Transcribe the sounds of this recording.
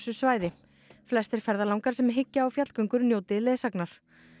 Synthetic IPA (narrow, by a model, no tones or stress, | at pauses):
sʏsvaːjðɪ | flɛst̪ɪɾ̥fɛɾðalawŋkaɾ̥sɛmɦɪcːaːwfjat̪kœŋkʏɾnjoːwt̪ɪleːsaknaɾ̥